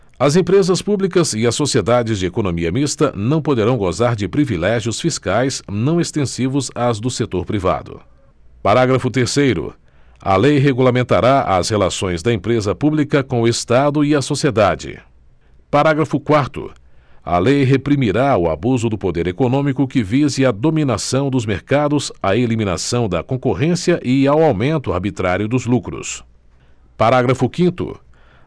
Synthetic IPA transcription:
ɐzẽpɾezɐspublikɐzɪɐsːosied̪ad͡ʒɪzd͡ʒɪekonõmiɐmist̪ɐ̰nɐ̃w̃pod̪eɾɐ̃w̃ɡozaɾd͡ʒɪpɾivilɛʒiʊsfiskajsnɐ̃w̃est̪ẽsivʊzazd̪ʊset̪oɾpɾiva̰d̪ʊ̰ | paɾaɡɾɐfʊt̪eɾsejɾʊ̰ | ɐ̰lejɦeɡulamẽnt̪aɾaʔɐ̰shelasõj̃zd̪ɐẽpɾezɐpublikɐkõʊest̪ad̪ʊiɐsosied̪ad͡ʒɪ̰ | paɾaɡɾɐfʊkwaɾt̪ʊ̰ɐ̰lejɦepɾimiɾaʊa̰buzʊd̪ʊpod̪eɾekonõmikʊkɪvizɪɐd̪ominasɐ̃w̃d̪ʊzmeɾkad̪ʊzaelimĩna̰sɐ̃w̃d̪ɐkõkoɦẽsiɐʔɪawawmẽnt̪ʊa̰ɾbit̪ɾaɾjʊd̪ʊzlukɾʊ̰s | paɾaɡɾɐfʊkĩnt̪ʊ̰

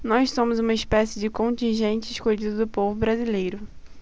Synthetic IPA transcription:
nɔʃsõmʊzũmɐɪspɛsɪd͡ʒɪkõntĩʒẽnt͡ʃɪɪʃkoʎid̪ʊd̪ʊpovʊbɾazilejɾʊ

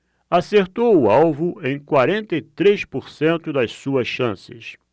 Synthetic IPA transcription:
aseɾt̪owʊawvʊẽj̃kwaɾẽnt̪ɐit̪ɾeʃpoɾsẽnt̪ʊd̪ɐssuɐsʃɐ̃sɪ̰s

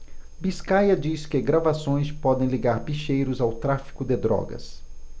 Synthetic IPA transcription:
biskajɐd͡ʒiskɪɡɾavasõj̃spɔd̪ẽj̃liɡaɾbiʃejɾʊzawt̪ɾafi̥kʊd̪ɪd̪ɾɔ̰ɡɐ̰s

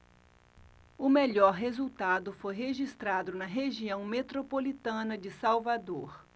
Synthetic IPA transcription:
ʊmeʎɔɾɦezuwt̪ad̪ʊfojɦeʒist̪ɾad̪ʊnɐɦeʒiɐ̃w̃met̪ɾopolit̪ɐ̃nɐd͡ʒɪsawvad̪oɾ

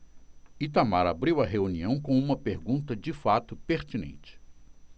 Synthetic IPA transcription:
it̪amaɾa̰bɾiwɐɦeuniɐ̃w̃kõũmɐpeɾɡũnt̪ɐd͡ʒɪfat̪ʊpeɾt͡ʃinḛ̃nt͡ʃɪ̥

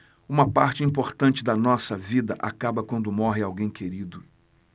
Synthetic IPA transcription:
ũmɐpaɾt͡ʃɪĩpoɾt̪ɐ̃t͡ʃɪd̪ɐnɔsɐvid̪ɐʔakabɐkwɐ̃nd̪ʊmɔɦɪawɡẽj̃keɾid̪ʊ

